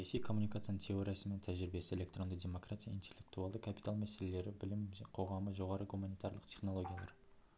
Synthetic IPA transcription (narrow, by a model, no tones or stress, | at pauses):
sɑjasijkʰo̞mːunʲikat̪sɨjanət̪ʲʰe̞oɾʲijasəment̪ʰæʒɪɾɪbe̞sɪelʲe̞k̚t̪ro̞nd̪ədʲemo̞kratʲijaint̪ʰʲe̞lʲːe̞k̚t̪ualˠd̪əkʰapi̥t̪alˠmæse̞le̞le̞ɾɪbɪlɪmqʰo̞ʁɑməʒo̞ʁɑɾəɡumanijt̪aɾlˠəqt̪ʲʰe̞χno̞lˠo̞ɡʲijalˠɑ̰ɾ